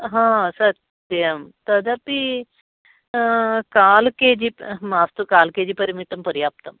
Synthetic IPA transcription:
ɦãsɐt̪ | jɐmt̪ɐd̪ʱapi | kaːlkeːd͡ʑimaːst̪ukaːlkeːd͡ʑipɐɾmit̪ɐmpɐɾjaːp̚t̪ɐm

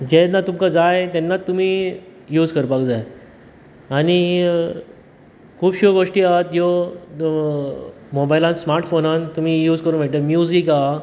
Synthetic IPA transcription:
d͡ʑenːat̪umkad͡zajt̪ɛnːat̪ːum̤iːjuːd͡zkəɾpakd͡zaj | añi | kʰuːpɕoɡoʂʈiːaɦt̪jo | mobajlãnsmaɾʈfonãnt̪um̤iːjuːd͡zkəɾunm̤eʈ̪emjud͡zika

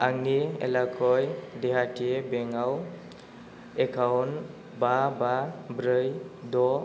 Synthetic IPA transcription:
aŋeḛlakʰɔjdeɦaʈiebeŋaw | ekʰawn | bababɾəjd̪ɔ

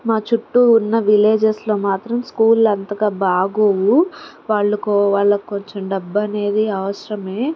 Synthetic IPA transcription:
maːt͡ʃuʈːuːnːɐʋile̞ːd͡ʒeslo̞ːmaːt̪ɾɐmskuːlɐnt̪ɐɡaːbaːɡoːʋuʋaːɭːɐkoʋaːɭːɐkkoɲt͡ʃomɖɐbːɐne̞ːd̪iɐʋɐsɾɐme̞ː

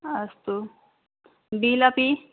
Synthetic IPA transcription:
ɐst̪u | bilapi

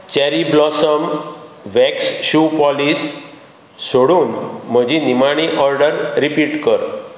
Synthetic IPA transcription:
t͡ɕɛɾiblɔsəm | ʋɛksɕupɔlis | soɽuːnm̤əd͡ʑinimaɽ̃iʔɔɾɖəɾːipiːʈkəɾ

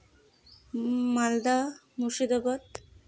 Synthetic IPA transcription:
mald̪a | muʃid̪ɔbɔt̪

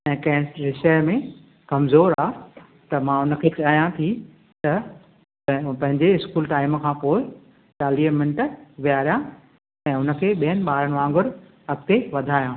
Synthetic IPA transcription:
ɛ̃ːkɐ̃ɦɪ̃ɾɪʃəjmẽ | kɐmzoːɾaː | t̪ɐmãʊnə̆kʰekaːjãt̪ʰi | t̪ɐ | pɐ̃ɦɪ̃ɲd͡ʑeɪskuːlʈaːɪmkʰãːpoːɪ | t͡ɕaːliːɦmɪnɪʈʋijaːɾjã | ɛ̃ːʊnə̆kʰeːɓijənɪ̆ɓaːɾəɽ̃ʋãːŋɡʊɾ | ɐk̚t̪eʋɐd̪ʱaːjãː

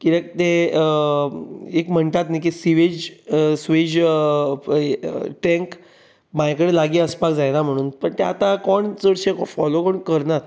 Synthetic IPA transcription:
kiɾek̚t̪e | ekm̤əɳt̪at̪nak̬isiʋed͡ʑsʋed͡ʑ | ʈẽŋk | majkəɽelaɡiːəspakd͡zajnam̤əɽ̃uːnpəɳt̪ea̰t̪ãkɔɳt͡səɽɕekfɔlokɔɳkəɾnaɾ

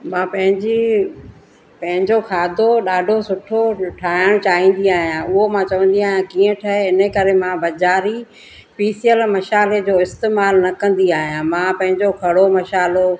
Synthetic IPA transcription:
mãːpɐ̃ɦɪ̃ɲd͡ʑi | pɐ̃ɦɪ̃ɲd͡ʑokʰaːd̪ʱoɗaːɖʱosʊʈʰoʈʰaːɦɪɽ̃t͡ɕaːɦĩːn̆d̪iaːɦijãʔʊɦomãt͡ɕɐʋə̃n̆d̪iaːɦijãkiːə̃ʈʰɐɦeɪnəkɐɾemãbɐd͡ʑaːɾi | fiːsijəlmɐʃaːled͡ʑoːɪst̪eːmaːlnɐkɐ̃n̆d̪iaːɦijãmãːpɐ̃ɦɪ̃ɲd͡ʑokʰɐɽomɐʃaːlo

